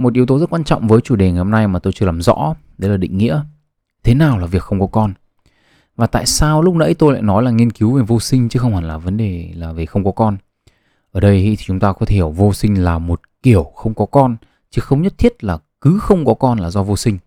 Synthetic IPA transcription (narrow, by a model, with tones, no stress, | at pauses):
mo˨˩t̚ʔi˨˦əwt̪o˨˦zə˦˥t̚kwaː˧nt͡ɕɔ̰˧˨wŋ͡mvəː˨˦jt͡ɕu˧˩ɗe˨˩ŋa˨˩jhə˧ŋ͡mna˧jmaː˨˩t̪o˧jt͡ɕɨ˧əlaː˨˩mzɔ̰˧˥ɗe˨˦laː˨˩ɗḭ̈˧˨ŋ̟ŋḭ˧˥ə | t̪ʰe˨˦naː˨˩wlaː˨˩vi˨˩əkxə˧ŋ͡mkɔ˨˦kɔ˧n | vaː˨˩t̪a̰ː˧˨jsaː˧wlʊ˦˥k͡p̚nə̰˧˥˦jt̪o˧jla̰ː˧˨jnɔ˨˦jlaː˨˩ŋi˧ənki˨˦wve˨˩vo˧sï˧ŋ̟t͡ɕɨ˨˦xə˧wŋ͡mha˨˩laː˨˩və˨˦nɗe˨˩laː˨˩ve˨˩xə˧wŋ͡mkɔ˨˦kɔ˧n | ʔəː˧˩ɗə˧jhḭ˧˥t̪ʰi˨˩t͡ɕʊ˨˦ŋ͡mt̪aː˧kɔ˨˦e˧hi˧˩əwvo˧sï˧ŋ̟laː˨˩mo˨˩t̚ki˧˩əwxə˧wŋ͡mkɔ˨˦kɔ˧n | t͡ɕɨ˨˦xə˧wŋ͡mɲə˦˥t̚t̪ʰi˦˥ət̚laː˨˩kɨ˨˦xə˧wŋ͡mkɔ˨˦kɔ˧nlaː˨˩zɔ˧vo˧sï˧ŋ̟